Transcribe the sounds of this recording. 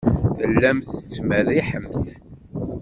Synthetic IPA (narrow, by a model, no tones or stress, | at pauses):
θəlːæmθət͡sːmæðiħəmθ